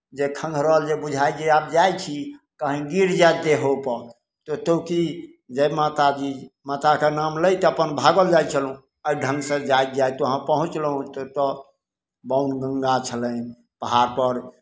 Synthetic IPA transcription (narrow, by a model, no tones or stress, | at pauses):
d͡ʒekʰə̃ŋɡʱɾəəld͡ʒebud͡ʒʱajd͡ʒeab̚d͡ʒajt͡ʃʰikəɦĩɡiɾd͡ʒad̪eɦʰopə | t̪ɔt̪oki | d͡ʒemat̪ad͡ʒimat̪akenamləjt̪ɔəpənbʱaɡəld͡ʒajt͡ʃʰəlũ | əjɖʱə̃ŋɡsə̃d͡ʒajt̪̚d͡ʒajt̪oɦãpəɦũt͡ʃləɦũt̪t̪ɔ | baunɡəŋɡat͡ʃʰələn | pəɦaɾpəɾ